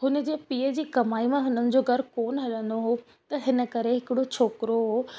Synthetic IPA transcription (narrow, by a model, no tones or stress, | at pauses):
ɦʊnəd͡ʑeːpiːəd͡ʑiːkɐmaːimãɦʊnənɪ̆d͡ʑoːɡʱɐɾkoːnɦɐɗə̃nd̪oɦo | t̪ɐɦɪnə̆kɐɾeɦɪkɪɽot͡ɕʰoːkɪɾoɦoː